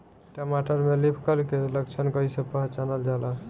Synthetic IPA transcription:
ʈamaʈəɾmelipʰkəlkeləkt͡ʃʰənkəɦisepəɦt͡ʃanəld͡ʒala

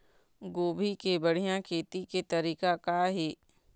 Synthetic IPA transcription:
ɡoːbʱikebəɽ̤ijãkʰeːt̪iket̪ɐɾiːkakaɦeː

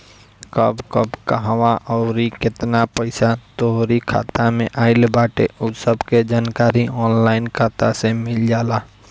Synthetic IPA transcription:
kəbkəbkəɦwaʔɔʊɾikɪt̪napəɪsat̪oɦɾikʰa̰ːt̪amẽʔaːɪlbaːʈeʔʊt̪səbked͡ʒaːnkaːɾiɔːnlaːɪnkʰaːt̪asemɪld͡ʒaːlaː

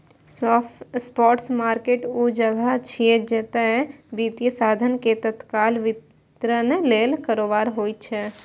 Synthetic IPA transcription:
sɔspɔːʈsmaːɾkeːʈud͡ʒəɡət͡ʃʰied͡ʒeːt̪aɦɛbiːt̪ijəsaːd̪ʱənket̪ət̪kaːlʋɪt̪ | ɾəneleːlkəɾoːbaːɾɦoːit͡ʃʰɛː

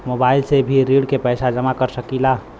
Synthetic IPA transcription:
mobailsebʱiɾːiɽkepəjsad͡ʒəmakəɾsəkila

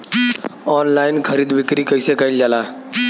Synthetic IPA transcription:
ɔnlainkʰəɾiːd̪bikɾiːkəjsekaild͡ʒala

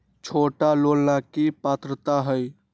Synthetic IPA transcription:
t͡ʃʰoːʈalolnakipaːt̪ɾət̪aɦəj

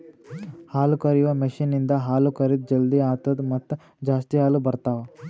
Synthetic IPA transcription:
haːlukɐɾiʋɐmiʃinːind̪ɐɦaːlukɐɾit̪̚d͡ʒɐld̪iaːt̪ɐd̪mɐt̪ː | d͡ʒaːst̪iɦaːlubɐɾt̪aːʋɐ

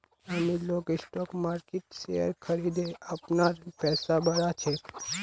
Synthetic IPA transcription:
amiloːkɪsʈɔːkmaːɾkeʈsejə̰ɾkʰəɾid̪eɐpnaɾpɛːsabɐɾat͡ʃʰe

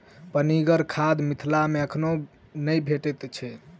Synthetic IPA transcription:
pəniɡəɾkʰad̪mit̪ʰlameəkʰno | nəjbʱeʈɛt̪t͡ʃʰɛ

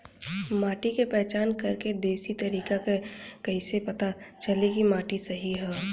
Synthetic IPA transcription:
maːʈikepɛɦt͡ʃaːnkɐɾked̪eːsit̪ɐɾiːkakekɐɦisepɐt̪at͡ʃəlekimaːʈisɐɦiɦɛː

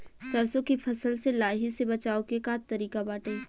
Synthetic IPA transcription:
sɐɾsõkipʰɐsəlselaːɦisebɐt͡ʃaːokekaːt̪ːɐɾiːkabaːʈəi

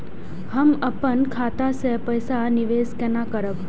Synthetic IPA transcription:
həməpənkʰaːt̪asepəjsaniʋeːskɛnaːkəɾəb

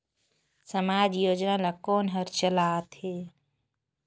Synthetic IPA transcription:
səmaːd͡ʒjoːd͡ʒnaːlaːkoːnɦəɾt͡ʃəlaːt̪ʰeː

